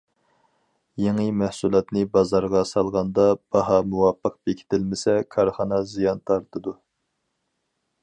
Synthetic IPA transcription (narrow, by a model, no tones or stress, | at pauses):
jeŋɨmɛhsulˠɑt̪nɨbɑzɑɾʁɑsɑlˠʁɑnd̪ɑb̥ɑɦɑmuwɑpʰːəq̚bekʲʰi̥t̪ʰɪlmɪsɛkʰɑɾχɑnɑzijɑnt̪ʰɑɾt̪ɨd̪u